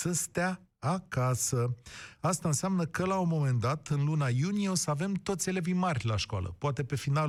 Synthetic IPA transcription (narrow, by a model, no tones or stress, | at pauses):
səst̪eaakasəast̪aɨnseamnəkəlaumo̞me̞nd̪at̪ɨnlunajunijeosəave̞mt̪o̞t̪sʲelevimarʲlaʃkoa̰lə̰poat̪e̞pe̞final